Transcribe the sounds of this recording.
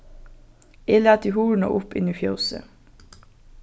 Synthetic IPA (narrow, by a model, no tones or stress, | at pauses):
eːlæːt̪iːhuːɳ̩o̰ːʔʊpɪ̰niːfjoʊsə̰